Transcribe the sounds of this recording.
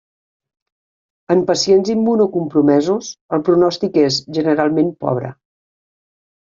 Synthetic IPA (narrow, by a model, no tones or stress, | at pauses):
əmpəsienzimːunukumpɾumɛzusəlˠpɾunɔst̪ikezʒənəɾalˠmempɔ̰β̞ɾə̰